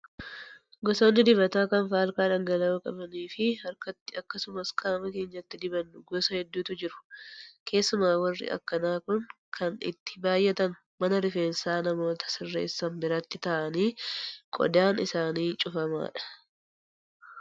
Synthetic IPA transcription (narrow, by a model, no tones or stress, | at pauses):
ɡɔsoːnːɪd̪ɪbɐt̪aːkɐnfaːlkaːᶑɐŋɡɐlɐʊkʼɐbɐniːfɪhɐɾkɐt̪ːɪɐkːɐsʊmɐskʼaːmɐke̞ːɲːɐt̪ːɪd̪ɪbɐnːʊɡɔsɐhɛd̪ːuːt̪ʊd͡ʒɪɾʊ̥kʰe̞ːsːʊmaːwɐrːɪ̰ʔɐ̰kːɐnaːkʊŋ | kʰɐnɪ̰t̪ːɪ̥baːjʔɛt̪ɐnʊ | mɐnɐɾɪfe̞ːnsaːnɐmo̞ːt̪ɐ̥sɪrːḛːsːɐmbɪɾɐt̪ːɪt̪ɐʔɐniːkʼɔ̰d̪aːnɪsaːniːt͡ʃʼʊfɐma̰ːᶑɐ̥